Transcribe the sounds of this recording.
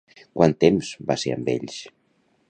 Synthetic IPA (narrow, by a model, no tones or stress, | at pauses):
kwʔant̪emz̥baseə̰mbḛʎʃ